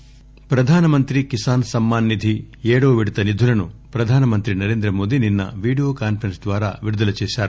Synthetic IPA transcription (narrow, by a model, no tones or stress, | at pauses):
pɾɐd̪ʱaːnɐmɐnt̪ɾikisaːnsɐmːaːnːid̪ʱi | eːɽoːʋiɽit̪ɐnid̪ʱulɐnupɾɐd̪ʱaːnɐmɐnt̪ɾinɐɾe̞ːnd̪ɾɐmo̞ːd̪ininːɐ̰ʋiːɖijoːkaːnfʰɐɾɐnsd̪ʋaːɾa̰ːʋiɾud̪ɐlɐt͡ʃeːʃaːɾu